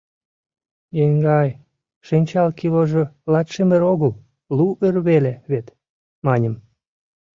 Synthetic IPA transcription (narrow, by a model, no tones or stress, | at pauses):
jeŋɡɑj | ʃinʲt͡ɕɑlkiloʒolɑt̪ʃemeɾoɣəl | luʔerβeleβet̪ | mɑnʲə̆m